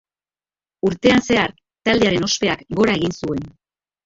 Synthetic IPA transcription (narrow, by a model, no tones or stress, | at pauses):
uɾt̪e̞anse̞aɾ | t̪ald̪eaɾe̞no̞spe̞akɡo̞ɾae̞ɣinsue̞n